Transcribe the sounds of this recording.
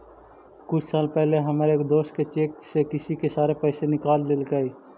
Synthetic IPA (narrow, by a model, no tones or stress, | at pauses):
kʊt͡ʃʰsaːlpɛɦleɦəmɾeːkd̪oːs̚ket͡ʃeːksekɪsikesaːɾepɛɪsenɪkaːld̪elkai